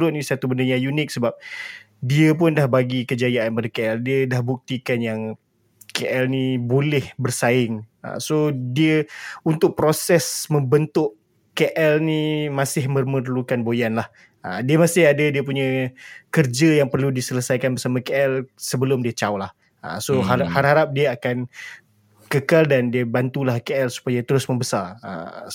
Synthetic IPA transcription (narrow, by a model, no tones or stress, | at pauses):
ɾʊt̪̚nisat̪ubəndaɲãjunɪk̚səbap̚ | diəp̬ʊndahbaɡikəd͡ʒajaanpadəkeɛldiədahbuk̚t̪ikanjaŋ | keʔɛlnibolɛhbərsaɪŋə̰sodiəunt̪ʊk̚pɾosɛsmə̃mbənt̪ʊʔ | keʔɛlnimãsɪhmərmərlukanbojanlah | ədiəmasɪhadadiəp̬uɲãkərd͡ʒəjaŋpərludisələsajkanbərsamakeɛlsəbəlʊmdiət͡ʃawlah | ə̰soɦaahaɾɦaɾap̚diəakan | kəkaldandiəbant̪ulahkeɛlsu̥pajat̪əɾʊsmə̃mbəsarə̰